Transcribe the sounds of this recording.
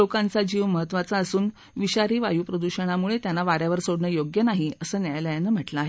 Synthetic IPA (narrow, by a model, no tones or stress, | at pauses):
okãnt͡sad͡ʑiːʋməɦət̪ːʋat͡saəsuːn | ʋiɕaɾiːʋajuːpɾəd̪uɕəɽ̃amuɭet̪janːaʋaɾjaʋəɾsoɽɳəjoɡjənaɦiəsəːnjajləjanːəm̤əʈlaaːɦe